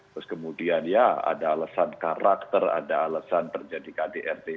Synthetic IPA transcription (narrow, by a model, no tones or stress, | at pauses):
t̪ɾʊskəmudianjaa̰daːləsankaɾakt̪əra̰daːləsant̪ərd͡ʒadikadeʔɛrt̪e